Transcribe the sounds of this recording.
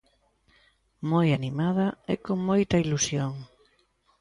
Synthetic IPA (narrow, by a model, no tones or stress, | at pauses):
mojanimaðɐɛkoŋmojt̪ɐilusjoŋ